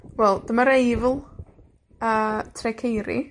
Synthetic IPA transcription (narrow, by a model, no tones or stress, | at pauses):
wɛlˠd̥əmaɾejvlˠ | ətʰrɛkʰejɾḭ